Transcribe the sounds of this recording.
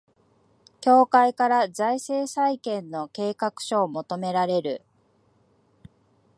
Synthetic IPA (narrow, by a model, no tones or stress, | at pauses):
kʲo̞ːkaikaɾazaise̞ːsaikẽ̞nːo̞ke̞ːkakɯ̟̥ɕo̞ːmo̞t̪o̞me̞ɾaɾe̞ɾɯ̟